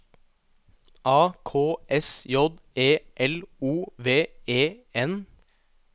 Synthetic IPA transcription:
ʔɑːkʰoːɛsjɔd̪eːʔɛluːʋeːeːɛn

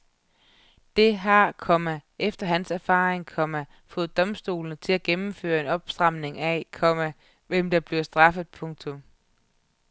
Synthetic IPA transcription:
d̥e̝ɦɑ̈kʰɒmæefd̥ɐɦænsæɐfɑ̰̈ːʁeŋkʰɒ̽mæ | fɔ̽ːð̞̩ˠd̥ɒ̽msd̥o̝̰ːlnət͡sʰe̝læɡ̥emm̩fø̰ːɐe̝nɒ̽b̥sd̥ʁɑ̈m̰ne̝ŋækʰɒ̽mæ | ʋem̰d̥ɑ̈b̥liɐsd̥ʁɑ̈fð̩ˠpʰɔ̽ŋt͡sʰɔ̽m

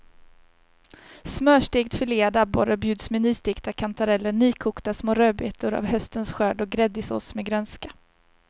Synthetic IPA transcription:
smœːʂʈeːkt̪fʏleːad̪abɔɾabjʉ̟ːd̪smɛnyːst̪ɪːkt̪akʰant̪ʰaɾɛlːəɳyːkʰuːkt̪asmoːɾøːbḛːt̪ʊɾa̰vhœst̪ənsɧœːɖɔɡɾɛd̪ːɪso̰ːsmeɡɾœnskḁ

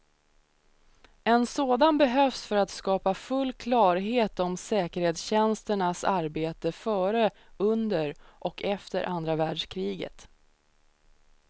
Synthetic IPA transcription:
ɛnsoːd̪anbɛɦœfsfœɾat̪skɑːpafɵlːkʰlɑːɾɦeːt̪ɔmsɛːkəɾheːt̪sɕɛnst̪əɳasaɾbeːt̪əfœːɾəɵnd̪əɾʔɔkʰɛft̪ə̰ɾʔand̪ɾavæːɖʂkʰɾiːɡə̰t̪

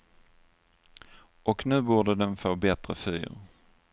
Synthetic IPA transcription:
ʔɔknʉ̟ːbuːɖəd̪ɛnfoːbɛt̪ɾəfy̰ːɾ

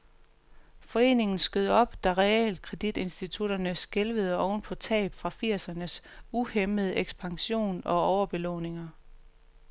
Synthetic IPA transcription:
fɒ̽e̝̰ːne̝ŋn̩sɡ̥øð̞̰ˠəɒ̽b̥d̥æʁɛḛld̥̚kʰʁɛd̥id̥e̝nsd̥it͡sʰuɾ̥ɐnəsɡ̥elʋəð̞̩ˠəɒʊn̩pʰɒ̽t͡sʰɛ̰ːb̥fʁɑ̈fiɐ̰sɐnəsuheməðˠəʔeɡ̥sb̥ɑ̈ŋɕo̝̰ːnɒ̽ɒʊɐb̥e̝lɔ̰ːne̝ŋɐ

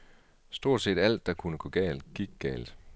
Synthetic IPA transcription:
sd̥o̝ɐ̰d̥se̝̰ːd̥æl̰d̥ːɑ̈kʰunəɡ̥ɔ̽ɡ̥ɛ̰ːld̥ɡ̥iɡ̥̚ɡ̥ɛ̰ːld̥

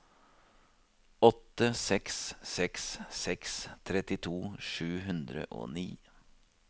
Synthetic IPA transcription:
ɔt̪ːəsɛkssɛkssɛkst̪ʰɾɛt̪ɪt̪ʰuːʂʉːɦʉnd̪ɾə̰ʔo̰ːniː

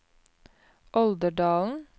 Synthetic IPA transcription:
ʔɔld̪əɖɑːln̩

